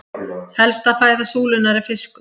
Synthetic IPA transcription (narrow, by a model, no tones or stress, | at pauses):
hɛlst̪afaːjðasuːlɪnːaɾɪfɪsk